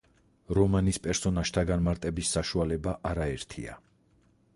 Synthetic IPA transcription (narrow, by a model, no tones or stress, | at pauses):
ɾɔmanispʼɛɾsɔnaʃt̪ʰaɡanmaɾt̪ʼɛbisːaʃualɛbaʔaɾaɛɾt̪ʰḭa̰